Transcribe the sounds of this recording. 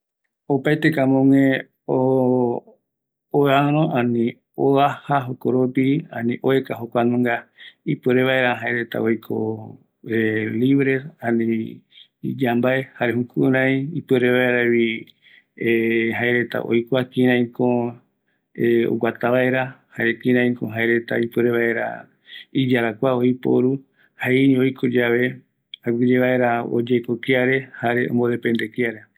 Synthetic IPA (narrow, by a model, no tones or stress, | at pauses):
opajt̪ekamõŋẽ | o | oaɾ̃õʔãnĩ | oahaɦokoɾopiã̰nĩʔoekaɦokʷanũŋɡaipeɾeβaeɾaɦaeɾet̪a̰ojkʰo̰ | eliβɾesãnĩ | d͡ʒambaehaɾehũkuɾãĩipɨeɾeβaeɾeβi | eɦaeɾe̞t̪a̰ʔo̰jkʷakĩɾãĩkõ | eo̰ɡat̪aβaeɾahaɾekĩɾãĩkõɦaeɾe̞t̪a̰ipɨɾeβae̞ɾa̰ | id͡ʒaɾakʷaojpo̰ɾu | hainĩojkʰod͡ʒaβe̞ | aɡɨd͡ʒeβaʔe̞ɾao̰d͡ʒajkokiaɾe̞haɾeõ̰mbod̪epend̪ekiaɾe